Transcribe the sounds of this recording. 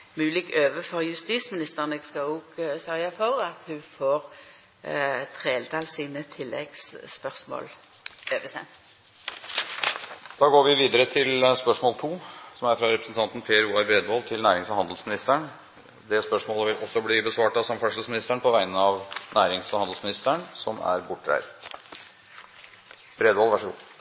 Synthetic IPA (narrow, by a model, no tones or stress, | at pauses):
mʉːlɪɡøːʋəfɔʁjʉst̪iːsmɪnɪst̪əʁnəɡskɑuɡsœʁjɑfɔʁɑt̪hʉfoːʁ | t̪ʰʁeːlt̪ʰɑlsiːnət̪ʰɪlːɛ̰ɡ̥spœʁsmo̰ːl | øːʋɛsɛ̰n | d̪̥ɑːɡoːɾʋɪʋiːd̪əɾət̪ʰɪlspœʂmɔːlt̪ʰuːsɔmæɾfɾɑɾɛpɾəsn̩t̪ɑnt̪n̩pʰeːəɾuːɑɾbɾeːd̪ʋɔlt̪ʰɪlnæːɾɪŋsfɔhɑnd̪l̩smɪnɪst̪əɳ | d̪ɛspœʂmoːləʋɪlʔɔsːɔbliːbəsʋɑːʈɑsɔmfɔʂəlsmɪnɪst̪əɳpʰɔʋæɪənəɑʋnæːɾɪŋsfɔhɑnd̪l̩smɪnɪst̪əɳsɔmæ̰ɾbʊʈːɾæ̰ɪst̪ | b̥ɾeːd̪ʋɔlʋæʂəɡṵː